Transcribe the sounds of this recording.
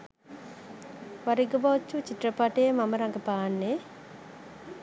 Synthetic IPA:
ʋaɾiɡəbat͡ʃːut͡ʃiʈːrəpaʈeemaməɾaŋɡəpaːnːe

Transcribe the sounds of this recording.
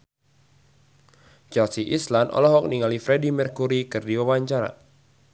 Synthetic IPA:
t͡ʃɛlsiʔislanʔɔ̰lɔɦɔk̚niŋalifɾɛdimɛrkuɾikɨrdiwawaɲt͡ʃaɾa̰

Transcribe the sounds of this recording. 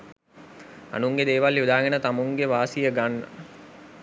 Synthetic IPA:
a̰nuŋɡed̪eːʋalːjud̪aːɡenət̪amuŋɡeʋaːsijəɡanːə̰

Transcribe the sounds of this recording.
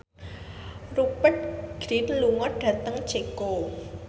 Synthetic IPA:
rupət̪̚ɡ̥ɾinluŋɔɖ̥ä̤t̪əŋt͡ʃeko

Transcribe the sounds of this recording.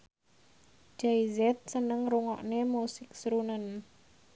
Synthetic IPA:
d͡ʒaizɛt̪̚sənəŋɾuŋɔ̰ʔnemusɪk̚sɾunən

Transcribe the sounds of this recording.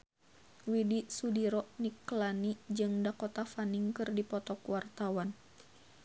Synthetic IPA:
widisudiɾɔniklanid͡ʒɨŋdakɔt̪afaniŋkɨrdipɔt̪ɔkuwart̪awan

